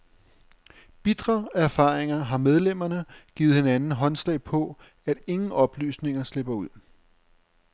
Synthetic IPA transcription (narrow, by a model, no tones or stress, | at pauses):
b̥id̥ʁɐæɐfɑ̈ːʁeŋɐɦɑ̈með̞ˠlem̰ɐnəɡ̥ḭːð̞̩ˠhenænn̩ɦɒ̽nslɛ̰ɪpʰɒ̽ | æd̥e̝ŋn̩ɒ̽b̥ly̰ːsne̝ŋɐsle̝b̥ɐuð̞̰ˠ